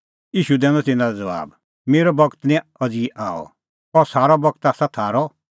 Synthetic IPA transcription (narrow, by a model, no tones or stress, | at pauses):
iːʃud̪ɛːnɔt̪ɪnãɾɔd͡zɐʋa̰ːb | meːɾɔbɐɡt̪nɛ̃ɐd͡ziʔãːɔ̰ | ɔsaːɾɔbɐɡt̪aːsat̪ʰaːɾɔ